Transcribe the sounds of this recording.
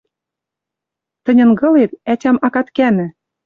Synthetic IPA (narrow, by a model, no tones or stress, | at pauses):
t̪ə̆nʲɤ̆nɡɤ̆let̪̚ætʲɑmɑkɑt̪kænɘ̆